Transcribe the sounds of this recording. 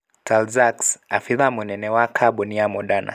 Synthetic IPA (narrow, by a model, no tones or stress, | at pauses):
tʰalzaksafiðamunɛnɛwakʰaɓɔniamɔɗana̰